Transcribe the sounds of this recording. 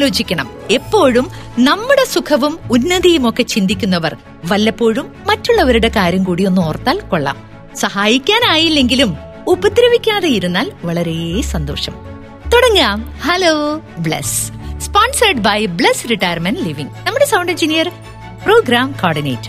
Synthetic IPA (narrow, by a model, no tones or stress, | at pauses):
lo̞ːd͡ʑikʲːɐɳɐme̞pːo̞ːɻumnɐmːuɽe̞sukʰɐʋumunːɐðijumo̞kːe̞t͡ɕind̪ikʲːunːɐʋɐr | ʋɐlːɐpːo̞ːɻumːɐtːuɭːɐʋɐɾuɽe̞kaːɾjɐmkuːɽijo̞nːoːrt̪ːaːlkoɭːa̰ːm | sɐhaːjikʲːaːnaːjilːe̞ŋɡilum | ubɐd̪ɾɐʋikʲːaːðejiɾunːaːlʋɐɭɐɾesɐnd̪o̞ːʂɐm | t̪oɽɐŋːaːmhɐloːbɭḛsspaːnsɐrɖbɐjbɭesɾiʈːɐjɐrmɐnɖliʋiŋnɐmːuɽe̞sɐwɳɖend͡ʑinijɐr | proːɡɾaːmkoːrɖinḛjʈː